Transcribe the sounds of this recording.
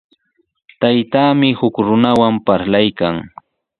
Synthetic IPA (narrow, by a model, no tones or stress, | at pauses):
t̪ajt̪aːmɪhʊkɾʊnawampaɾlajkaŋ